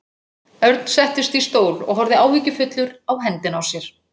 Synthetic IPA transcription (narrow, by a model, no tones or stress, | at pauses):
œɾt̪n̥sɛht̪ɪst̪ist̪oːwlɔ̰ɣɦɔɾðɪaːwviːcɪfʏt̪lʏɾawɦɛnt̪ɪnawsjɛɾ̥